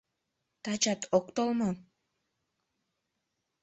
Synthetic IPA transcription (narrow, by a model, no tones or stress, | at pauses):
t̪at͡ʃat̪ʰokt̪olˠmo